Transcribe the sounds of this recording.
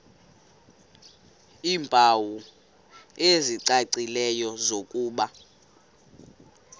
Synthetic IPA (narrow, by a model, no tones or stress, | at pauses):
iːmpʼawu | eziǀaǀilɛjɔzokʼuːɓa